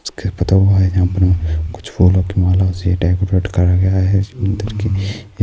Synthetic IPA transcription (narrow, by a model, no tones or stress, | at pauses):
skepɐt̪aɦuaɦɛd͡ʒɐɦãːpəɾmẽkʊ̥t͡ʃʰfʰoːlõkimaːlasjeʈaːɡʊɾɾeːʈkɐɾaɡɐjaɦɛmɐ̃nd̪əɾki